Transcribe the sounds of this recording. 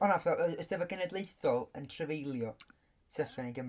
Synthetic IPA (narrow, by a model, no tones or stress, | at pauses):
ɔnavɛθɔəəsd̥ɛvəɡənɛdlˠejθɔlˠəntʰrəvejlˠjɔ | sʰɛɬɔniɡəm